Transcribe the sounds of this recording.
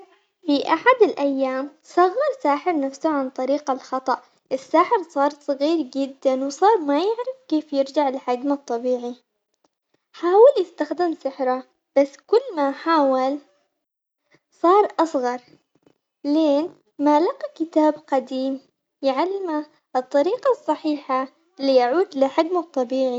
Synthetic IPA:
fiʔaħad̪ɪlʔajːaːm | sˤɑɣːɑɾˤsaːħɪɾnafsʊʕant̪ˤɑɾiːqalxɑt̪ˤɑʔ | ʔɪsːaːħɪɾsˤɑːɾˤsˤɑɣiːɾd͡ʒɪd̪ːanwsˤɑːɾˤmajɪʕɾɪfkeːfjɪɾd͡ʒaʕɪlħad̪mat̪ˤːɑbiːʕi | ħaːwɪljɪst̪axd̪ɪmsɪħɾa | b̥asːkʊlːmaħaːwal | sˤɑːɾˤʔɑsˤɣɑɾˤ | leːn | maːlaqikɪt̪aːbqad̪iːm | jɪʕalːɪma | ʔɨt̪ˤːɑɾiːqɑsˤːɑħiːħa | ɪlːijaʕuːd̪lɪħɪɡmɑt̪ˤːɑbiːʕi

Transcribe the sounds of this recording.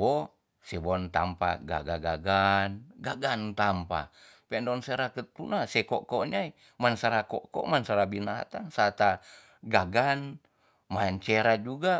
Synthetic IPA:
bɔ | sɛbɔnt̪ampa̰ɡa̰ɡaɡaɡanɡaɡant̪ampa̰ | pɛndɔnsɛɾakət̪unasɛkɔkɔɲai | mansaɾakɔkɔ̰mansaɾabina̰t̪aŋsat̪a | ɡaɡan | maɲt͡ʃɛɾad͡ʒuɡa

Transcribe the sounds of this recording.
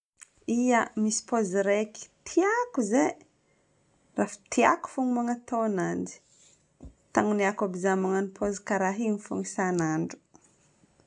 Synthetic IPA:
iəmisi̥poziɾeki̥t̪ʰiakuze | rafḁt̪ʰia̰ku̥fuŋumaŋat̪oanand͡ʒi̥ | t̪aŋuniakabizamaŋanipʰozikaɾaɦiŋifṵŋisanaɳɖ͡ʐu̥

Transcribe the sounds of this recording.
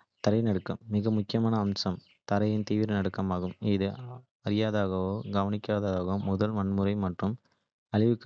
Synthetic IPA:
t̪ɐɾɐɪnɐɽɯkːɐmːɪɣɐmʊkːɪjɐmaːnɐːmsɐm | t̪ɐɾɐjɪnt̪iːʋɪɾɐnɐɽɯkːɐmaːɣɯmɪðɯ | ɐɾɪjaːðaːɣɐʋoːɡɐʋɐnɪkːaːðaðaːɣoːmʊðɐlmɐnmɯɾɐɪmɐʈrɯm | ɐɻɪʋɯkː

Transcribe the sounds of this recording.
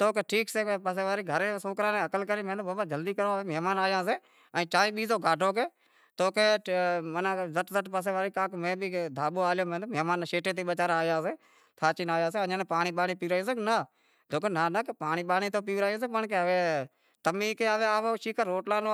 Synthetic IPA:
t̪oːkeːʈʰiːkseːpəs̬eːʋaːɾiːɡʱəɾeːsoːkɾãːnẽːəkəlkəɾẽːmẽːd̪oboːbad͡ʒəld̪iːkəɾoːeːmɛːmaːnaːjãːs̬eː | ɛ̃ːt͡ʃaːiːɓiːzoːɡʱaːɖʱoːk̬eː | t̪oːkeːmənãːzəʈzəʈpəs̬eːʋaːɾiːkãːkmẽːbiːd̪ʱaːɓoːaːljoːmẽːomɛːmaːnʃeːʈẽːt̪̬iːɓət͡ʃaːɾaːjãːs̬eː | t̪ʰaːt͡ʃinaːjãːseːəɲãːneːpaːɳ̃iːɓaːɳiːpiːɾaːõːseːknə | d̪ʱoːkːnaːnəkpaːɳiːɓaːniːt̪oːp̬iːʋɾaːjõːs̬eːpəɳkeəʋeː | t̪əmiːkeːaʋeːaːʋoːʃiːkəɾːoːʈlaːnoː

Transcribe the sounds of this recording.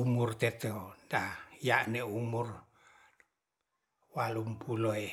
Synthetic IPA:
umurt̪et̪ondajaʔneumur | walumpʰuloe

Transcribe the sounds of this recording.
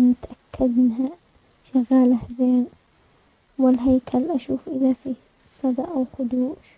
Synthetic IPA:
mʊt̪ʔakʰːad̪mɪnɦa | ʃaɣaːlahzeːn | wɪlɦajkʰalʔaʃuːfʔɪðafiː | sˤɑd̪ˤɑʔawxʊd̪uːʃ

